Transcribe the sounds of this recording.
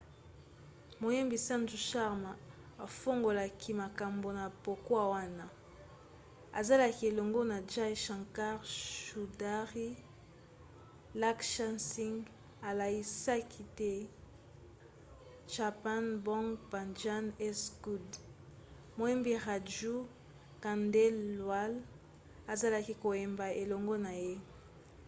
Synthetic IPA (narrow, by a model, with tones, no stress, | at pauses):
mo˨je˦mbi˨sa˦nd͡ʒu˨ʃa˦ʁma˨ | a˨fo˦ŋɡo˨la˨kʰi˦ma˨ka˨mbo˨na˨po˨kwa˦˨wa˦na˨ | a̰˨za˦la˨ki˨˦e˨lo˨ŋɡo˦na˨d͡ʒa˦jʃã˨ŋka˦ʁʃu˨da˦ʁi˦ | la˦kʃa˦nsi˦ŋ | a˨la˨i˦sa˦kʰi˦tɛ˦ | ʒa˨pa˦nbɔ̃˦ŋɡba˨nd͡ʒa˦nɛ˦sku˦d | mo˨˦ɛ˦mbi˦ʁa˨d͡ʒu˦ | ka˨ndɛ˦lːwa˦l | a˨za˦la˦ki˦ko˨e˨mba˨e˨lo˨ŋɡo˦na˨je˦